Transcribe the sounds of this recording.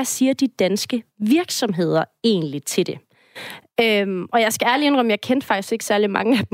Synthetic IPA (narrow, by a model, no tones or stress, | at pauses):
æsiːɐd̥id̥ænsɡ̥əʋiɐɡ̥sɒ̽mɦe̝ð̞̰ˠɐe̝̰ːnlit͡sʰe̝ld̥e̝ | ømʔɒ̽jɑ̈ɪsɡ̥ææɐlie̝nʁɒməjɑ̈ɪkʰend̥fɑ̈ɡ̥d̥isɡ̥e̝ɡ̥ə̥sæɐlimɑ̈ŋəæd̥